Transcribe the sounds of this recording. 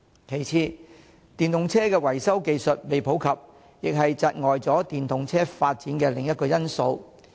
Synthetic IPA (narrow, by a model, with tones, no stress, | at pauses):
kʰe˨˩jt͡sʰiː˧ | t̪iː˨˩nt̪ʊ˨ŋt͡sʰɛː˥kɛː˧wɐ˨˩jsɐ˥wke˨jsɵ˨t̚me˨jpʰo˨˥wkʰɐ˨p̚ | jɪ˨k̚ɦɐ˨jt͡sɐ˨t̚ŋɔː˨jt͡sɔː˨˥t̪iː˨˩nt̪ʰʊ˨ŋt͡sʰɛː˥faː˧t̚t͡siː˨˥nkɛː˧lɪ˨˩ŋjɐ˥t̚kɔː˧jɐ˥nso˧w